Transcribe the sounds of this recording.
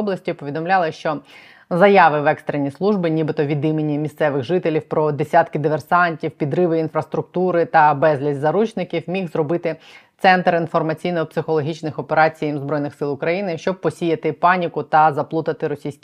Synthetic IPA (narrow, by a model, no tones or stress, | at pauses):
ɔblˠɐsʲtʲipɔʋʲid̪ɔmlʲɑlˠɪʃt͡ʃɔ | zɐjɑʋɪʋɛkst̪ɾenʲislˠuʒbɪnʲibɪt̪ɔʋʲid̪imenʲːimʲist̪sɛʋɪɣʒɪt̪elʲiwpɾɔd̪esʲɑt̪kɪd̪ɪʋersɑnʲtʲiwpʲid̪ɾɪʋɪinfɾɐst̪ɾʊk̚t̪uɾɪt̪ɐbɛzʲlʲizʲzɐɾut͡ʃnɪkʲiwmʲixzɾɔbɪt̪ɪt̪sɛnt̪rinfɔrmɐt͡sʲijnɔpsɪxɔlˠɔɦʲit͡ʃnɪxɔpeɾɑt͡sʲijɐmzbɾɔjnɪxsɪlˠʊkɾɐjinɪʃt͡ʃɔb̚pɔsʲijɐt̪ɪpɑnʲikʊt̪ɐzɐplˠut̪ɐt̪ɪɾɔsʲijsʲkʲ